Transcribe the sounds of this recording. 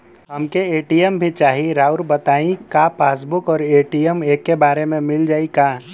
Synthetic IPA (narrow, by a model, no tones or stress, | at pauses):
ɦəmkeeːʈijəmbʱit͡ʃaːɦiɾaːʊɾbət̪aːĩkapʰaːs̬bʊkɔːɾeːʈijəmeːkːebaːɾemẽmɪld͡ʒaːikaː